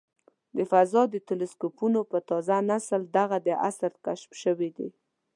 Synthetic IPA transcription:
d̪əfazɑd̪ət̪ɪlɪskopunopət̪ɑzanasəld̪aɣad̪əʔa̰saɾkaʃmʃəwed̪e

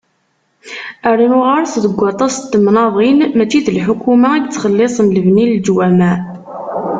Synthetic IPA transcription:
əɾinʊʁaɾsðəɡʷːɑt̪ˤɑst̪ːmnɑðˤinmæt͡ʃːiðəlħukumaiɡt͡sːχəlːesˤənləvnild͡ʒwæmæ

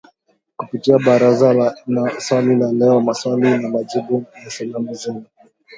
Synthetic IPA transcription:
kupitiaɓaɾazalnaswalilalɛɔmaswalinamaʄibujasalamuzɛnu

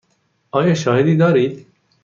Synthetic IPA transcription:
ɑːjɑːʃɔːɦed̪iːd̪ɔːɾiːd̪

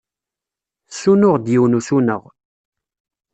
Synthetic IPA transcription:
sunʊʁd̪jiwnusunəʁ

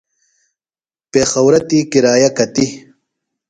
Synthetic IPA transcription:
peːxɐwɾɐt̪ikiɾaːjakɐt̪i

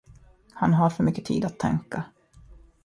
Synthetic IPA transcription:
hanɦaɾfœɾmʏkːət̪ʰḭːd̪at̪ʰːɛ̰ŋka

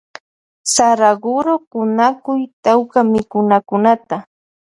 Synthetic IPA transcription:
saɾaɢʊɾokʊnakʊjt̪awkamɪkʊnakʊnat̪a

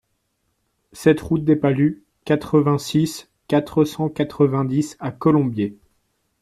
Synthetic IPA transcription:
sɛt̪ʁut̪̚d̪epaly | kʲat̪χəvɛ̃sis | kat̪χəsɑ̃kat̪χəvɛ̃d̪isakɔlɔ̃bje

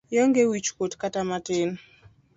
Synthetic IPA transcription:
jɔŋɡewit͡ʃkotkatamatɪn

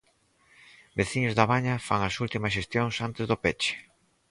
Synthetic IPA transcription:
beθiɲʊzðaβaɲɐfaŋɐsult̪imɐsʃ̬est̪joŋsant̪ɪzðopet͡ʃɪ̥

